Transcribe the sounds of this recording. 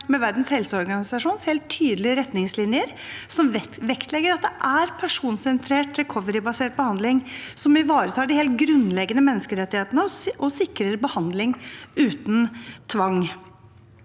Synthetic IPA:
mɛʋæɾɖ̪n̩shɛlsəɔɾɡɑnɪsɑʂuːnsheːlt̪ʰːyːd̪əlɪəɾɛt̪nɪŋslɪnjəɾ | sɔmʋɛkt̪ʰlɛɡːəɾɑt̪̚d̪ɛʔæɾpʰæʂuːnsɛnt̪ʰɾeːʈɾɛkʰɔʋəɾɪbɑseːʈ̚bəhɑnd̪lɪŋsɔmɪʋɑːɾət̪ʰɑːɖɪheːlt̪̚ɡɾʉnlɛɡənəmɛnːəskəɾɛt̪ːɪheːt̪ənəʔɔsɪkːɾəɾbəhɑnd̪lɪŋʉːt̪n̩t̪ʰʋɑŋː

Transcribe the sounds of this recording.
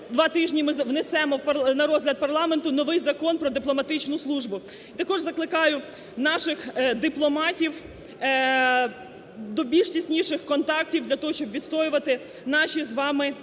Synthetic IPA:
d̪ʋɑt̪ɪʒnʲimɪʋnesɛmɔwpɐnɐɾɔzɦlʲɐd̪̚pɐrlˠɑment̪ʊnɔʋɪjzɐkɔnpɾɔd̪ɪplˠɔmɐt̪ɪt͡ʃnʊslˠuʒbʊ | it̪ɐkɔʒzɐklˠɪkɑjʊ | nɑʃɪxd̪ɪplˠɔmɑtʲiw | d̪ɔbʲilʲʃtʲisʲnʲiʃɪxkɔnt̪ɑk̚tʲiwd̪lʲɐt̪ɔɦɔʃʲt͡ʃɔbʋʲid̪st̪ɔjʊʋɐt̪ɪ | nɑʃʲizʋɑmɪ

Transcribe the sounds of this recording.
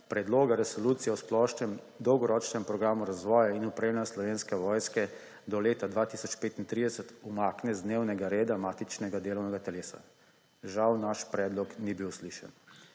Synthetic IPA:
pɾɛd̪loːɡaɾɛsɔluːt̪sijɛɔsplɔːʃnɛm | d̪ɔwɡɔɾɔːt͡ʃnɛmpɾɔɡɾaːmuɾazʋɔːjainupɾeːmnɛslɔʋeːnskɛʋɔːjskɛ | d̪ɔleːt̪ad̪ʋaːt̪isɔt͡ʃpeːt̪int̪ɾid̪ɛsət̪umaːknɛzd̪neːwnɛɡaɾeːd̪amaːt̪it͡ʃnɛɡad̪eːlɔwnɛɡat̪ɛleːsa̰ | ʒawnaʃpɾɛːd̪lɔknibiwsliʃɛ̰n

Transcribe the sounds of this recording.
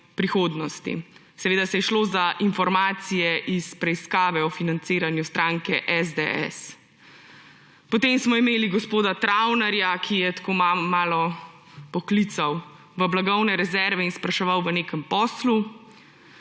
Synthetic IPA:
pɾixoːd̪nɔst̪ḭ | sɛʋeːd̪asɛjɛʃloːzaʔinfɔɾmaːt̪sijɛʔispɾɛiskaːʋɛɔfinanseːɾanjust̪ɾaːŋkɛʔɛzd̪eɛ̰s | pɔt̪eːmsmɔimeːliɡɔspoːd̪at̪ɾawnaɾjakʰijɛt̪koːmamaːlɔ | pɔklit̪saw | ʋəblaɡɔwnɛɾɛzɛɾʋɛinspɾaʃɛʋawʋəneːkəmpɔːslu

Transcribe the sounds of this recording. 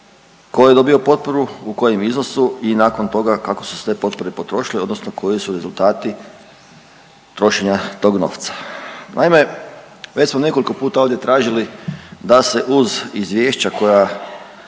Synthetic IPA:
kojed̪o̞bio̞po̞t̪̚po̞ɾuuko̞jemizno̞suinaːko̞nt̪o̞ɡakako̞su̥st̪e̞po̞t̪̚po̞ɾe̞po̞t̪ɾo̞ʃilio̞d̪no̞snokʰo̞jisuɾe̞zulˠt̪aːt̪i | t̪ɾo̞ʃe̞ɲat̪o̞ːɡno̞̰ːft̪sḁnʔa̰ime̞ | ʋet͡ɕsmone̞koliko̞puːt̪ao̞ʋd̪je̞t̪ɾaːʒilid̪ase̞ʔuzizʋʲje̞ːʃt͡ɕako̞ja

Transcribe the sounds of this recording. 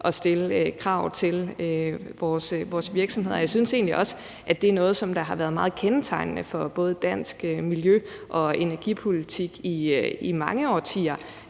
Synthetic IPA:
ʔɒ̽sd̥e̝ləkʰʁɑ̈ʊ̰t͡sʰe̝løʋɒːsʋɒːsʋiɐɡ̥sɒ̽mhe̝ð̰ˠjɪsynse̝̰ːnliʔɒ̽s | ʔæd̥e̝æɐnɔ̽ːð̞̩ˠsɒ̽md̥ɑ̈ɦɑ̈ʋæːɐðˠmɑ̈ːð̞̩ˠkʰent͡sʰɑ̈ɪnnəfɒ̽b̥ɔ̽ːð̞̩ˠəd̥æn̰sɡ̥miljø | ʔɒ̽e̝næɐɡ̥ipʰo̝lit͡sʰiɡ̥iimɑ̈ŋəɒ̰ːt͡sʰiːɐ

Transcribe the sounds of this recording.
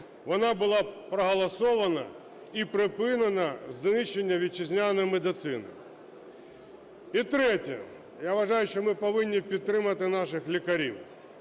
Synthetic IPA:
ʋɔnɑbʊlˠɑpɾɐɦɐlˠɐsɔʋɐnɐ̰ | ipɾɪpɪnɐnɐznɪʃenʲːɐʋʲit͡ʃɪzʲnʲanɔjmed̪ɪt̪sɪnɪ̰ | it̪ɾɛtʲɐ̰ | jaʋɐʒɑjʊʃt͡ʃɔmɪpɔʋɪnʲːipʲid̪̚t̪ɾɪmɐt̪ɪnɑʃɪxlʲikɐɾʲḭw

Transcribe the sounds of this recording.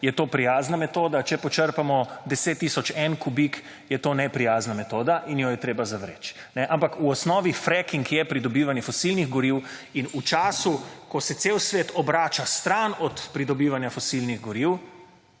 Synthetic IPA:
jɛt̪oːpɾijaːznamɛt̪oːd̪at͡ʃɛpɔt͡ʃəɾpamɔd̪ɛseːt̪ːiːsɔt͡ʃɛnkubik | jɛt̪oːnɛpɾijaːznamɛt̪oːd̪aʔinjɔjɛt̪ɾeːbazaʋɾḛːt͡ʃ | nɛʔampakuɔsnɔːʋifɾɛkiŋkjɛpɾid̪ɔbiːʋanjɛfɔsilniɣɡɔɾiwinut͡ʃaːsukɔsɛt̪sewsʋeːt̪ʰɔbɾaːt͡ʃast̪ɾanɔt̪pɾid̪ɔbiːʋanjafɔsilniɣɡɔɾiw

